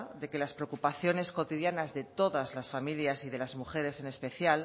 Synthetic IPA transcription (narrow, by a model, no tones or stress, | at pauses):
d̪e̞ke̞laspɾeokupaθjo̞ne̞sko̞t̪iðjanazðe̞t̪o̞ðazlasfamiljasiðe̞lazmuxe̞ɾe̞se̞nespeθjal